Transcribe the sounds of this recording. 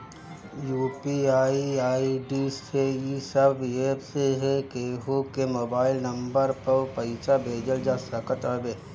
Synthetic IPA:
juːpiaːiaːiɖiːsejisəbeːpseɦɛkeɦokemoːbaːɪlnɐ̃mbəɾpɐɾpɐɪt͡ʃabʱeːd͡ʒəld͡ʒaːsəkət̪əbeː

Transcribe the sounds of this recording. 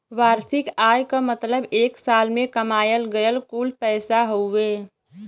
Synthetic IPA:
ʋaːɾsɪkaːjkamət̪ləbeːksaːlmẽkəmaːjəlɡəjəlkuːlpɛːsaɦoeː

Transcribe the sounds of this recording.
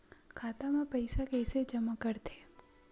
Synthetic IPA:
kʰat̪amãpəjsakɛjsed͡ʒəmakəɾt̪ʰe

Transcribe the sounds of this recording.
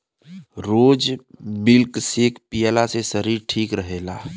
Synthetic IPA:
ɾoːd͡ʒmɪlksekpijəlasesəɾiɾʈʰiːkɾəɦeːla̰ː

